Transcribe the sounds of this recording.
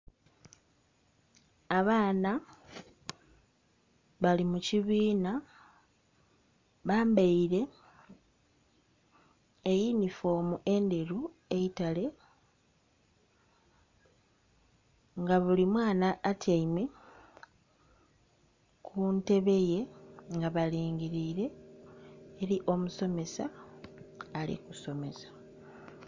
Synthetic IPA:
aβaːna | βalimuciβiːna | βaːmbaiɾe̞ | jinifo̞ːmuʔe̞nde̞ɾu | e̞itale̞ | ŋɡaβulimwaːnaʔːtʰaime | kʰunte̞βe̞je̞ŋɡaβaliːŋɡiɾiːɾe̞ː | ɾiʔo̞muso̞me̞saː | lḭkuso̞me̞sḁ

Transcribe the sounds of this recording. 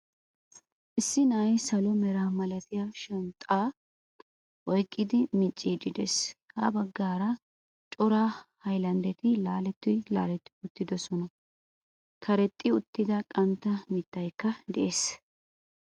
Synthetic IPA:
ʔɪsːɪnɐːjsɐlɔmɛɾaːmɐlɐt̪ɪjaːʃɛnt̪ʼaː | ʔɔjkʼːɪd̪ɪmɪt͡ʃʼːid͡ʒɪd̪eshɐbɐɡːaːɾɐ | t͡ʃʼɔɾaːhɐjlɐnd̪ɛt̪ɪlaːlɛt̪ːɪla̰ːlɛt̪ːɪ̥ʊt̪ːɪd̪ɔsɔnɐ | kʰɐɾɛt̪ʼːɪʊt̪ːɪd̪ɐkʼɐmt̪ːɐmɪt̪ːɐjkːɐd̪ɛʔeːs

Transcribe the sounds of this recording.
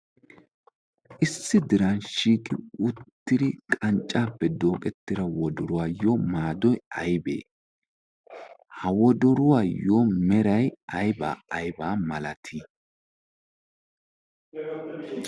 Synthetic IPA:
ʔɪsːɪd̪ɪɾɐnʃiːkʼɪ̰ʊt̪ːɪd̪ɪkʼɐnt͡ʃʼːaːpːɛd̪o̞ːkʼɛt̪ːɪɾɐwɔd̪ɔɾʊwaːjoːmaːd̪ɔjɐjbḛː | hɐwɔd̪ɔɾʊwaːjoːmɛɾɐjɐjba̰ːɐjbaːmɐlɐt̪ʰi

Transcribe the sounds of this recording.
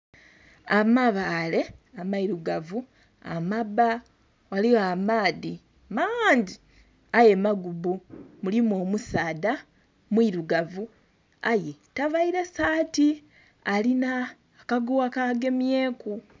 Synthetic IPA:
amaβale̞amaiɾuɡavu | a̰maba | waliwamaːði | mandi | aje̞maɡubumulimoːmusaːda | mwiɾuɡavu | aje̞tavaiɾesaːti | alinaː | kaɡuwakaɡe̞mje̞ːku

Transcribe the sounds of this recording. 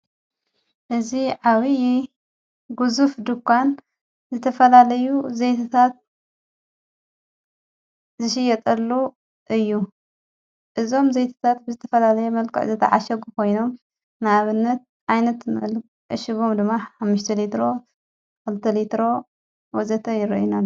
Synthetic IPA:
ʔɨziʕaβɨji | ɡuzufd̪ɨkʰːan | zɨt̪ʰɐfɐlalɐjuzejt̪ʰat̪ʰat̪̚ | zɨʃ̬ɪjɐt̪ʼɐlːu | ʔɨjːu | ʔɨzo̞mzejt̪ʰḁt̪ʰat̪̚bɨzɨt̪ʰɐfɐlalɐjɛmɐlkʰɨ̰ʔzɐt̪ʰɐ̰ʕaʃɐɡukʰo̞jno̞m | nɨaβɨnːɐt̪̚ʔajnɐt̪mɐlk | ʔʃiβomd̪ɨmːaħamːɨʃt̪ʰɐlit̪ɾo̞ | kɨlt̪ʰɐlit̪ɾo̞ | wɔzɐt̪ʰɐjɪɾɐ̰ʔjunalː

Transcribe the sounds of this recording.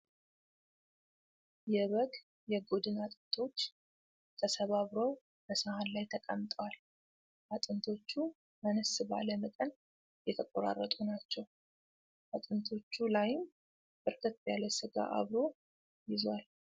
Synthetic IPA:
jɛβəɡʼ | jɛɡo̞d̪ɨnat̪ʼɨnt̪ʰo̞t͡ʃː | t̪ʰəsəβaβɾo̞ | bəsəhanlajt̪ʰəkʼə̰mt̪ʼəwal | ʔat̪ʼɨnt̪ʰo̞t͡ʃːu | mənəsɨba̰ləməkʼən | jɛt̪ʰəkʼoɾa̰rːət̪ʼunat͡ʃːɛw | ʔat̪ʼɨnt̪ʰo̞t͡ʃːulajɪm | bɨɾkʰət̪̚bjaləsɨɡa̰ʔa̰βɾo̞ | jɪzwal

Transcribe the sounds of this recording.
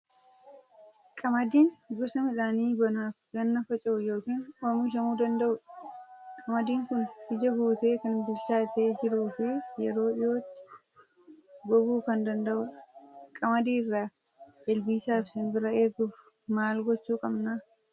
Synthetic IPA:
kʼɐmɐd̪iːnɡɔsɐmɪᶑaːniːbɐnaːfɡɐnːɐfɐt͡ʃʼɐʔʊjo̞ːkiːnɔmuːʃɐmuːd̪ɐnd̪ɐʔʊᶑ | kʼɐmɐd̪iːŋkʊnbɪd͡ʒɐɡuːt̪e̞ːkɐnbɪlt͡ʃaːɪt̪eːd͡ʒɪɾuːfɪjɛɾo̞ːɪjo̞ːt̪ːɪ̥ | ɡɔbuːkɐnd̪ɐnd̪ɐʔʊkʼɐmɐd̪iːrːaː | ɛlbiːsaːfsɪnbɪɾɐeːɡʊf | maːlɡɔt͡ʃːuːkʼɐbnaː

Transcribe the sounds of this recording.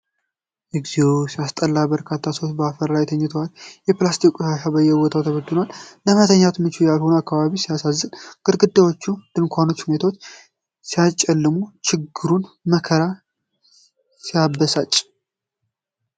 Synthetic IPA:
ʔɛɡziosijast̪ʼəlːabəɾkʰat̪ʰːasowtbəafəɾːajɛt̪ʰəɲːɪt̪ʰəwaljɛplast̪ʰikʼuʃaʃabəjɛwɔt̪ʰawt̪ʰəβəd̪onalːəmat̪ʰəɲːat̪mɨt͡ʃujalhonakʰːaβaβisijasazːɨnɡ̥ɨɾɡɨd̪ːawo̞t͡ʃːud̪̥ɨnkʷʰano̞t͡ʃːhunet̪ʰawot͡ʃː | sijat͡ʃʼɛlːɨmut͡ʃʰɪɡɨɾun | məkʰəɾa | sijabːəsat͡ʃʼː

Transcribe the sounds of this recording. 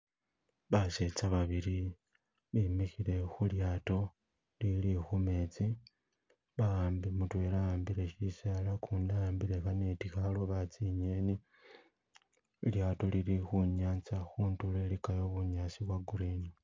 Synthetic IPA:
βaset͡saβaβiɾi | βimixiɾe̞xuljaːto̞ | lilixume̞t͡si | βaɣaːmbimutweːɾaaːmbiɾe̞ʃisalakunaambiɾe̞xanetixaloβat͡siɲe̞ːni | ljaːto̞lilixuɲaːnt͡saxuːntulelikajo̞βuɲasiβwaɡuɾini

